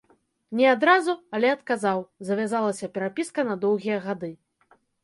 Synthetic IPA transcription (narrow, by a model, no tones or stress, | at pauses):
nʲɛad̪ɾazuɐlʲɛɐt̪kazawzɐvʲazalˠɐsʲɐpʲɛɾapʲiskɐnɐd̪ɔwɣʲijɐɣad̪ɨ